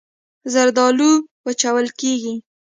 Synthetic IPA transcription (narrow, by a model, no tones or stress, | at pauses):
zaɾd̪ɑluwət͡ʃawəlkeɡi